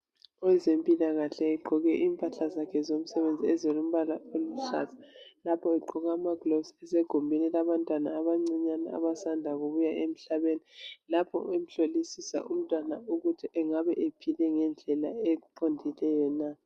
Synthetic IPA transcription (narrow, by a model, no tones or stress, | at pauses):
ɔɛzempʼilaɣaɬɛɛǃʱɔɣɛʔiːmpʼaɬazakʰɛzom̩sɛβend͡zʱiɛzolum̩βalaolum̩ɬa̰zḁlapʰɔɛǃɔɣaːmaɡ̥losɛseɡ̥ʱombʱinilaβantʼwanaːβaŋ͡ǀiɲana̰a̰βasandʱaɣuβujaʔem̩ɬaβenilapʰɔ̰em̩ɬolisisa̰ʔum̩tʼwanauɣutʰiʔɛŋaβɛʔepʰilɛŋɛnd͡ɮʱɛlaɛǃʰondʱilɛjɔna